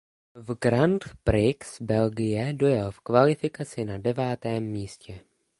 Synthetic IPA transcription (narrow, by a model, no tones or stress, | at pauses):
vɡɾant̪pɾɪksbɛlɡɪjɛdojalfkvalɪfɪkat͡sɪnadɛvaːt̪ɛːmːiːscɛ